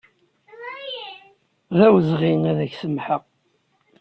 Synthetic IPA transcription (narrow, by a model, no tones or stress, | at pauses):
ðæwəzʁinæðæçsəmħəq